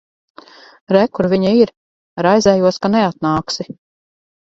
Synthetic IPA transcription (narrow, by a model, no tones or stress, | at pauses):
ɾɛkuɾviɲaiɾ | ɾajzɛːjuɔskanɛat̪̚naːksi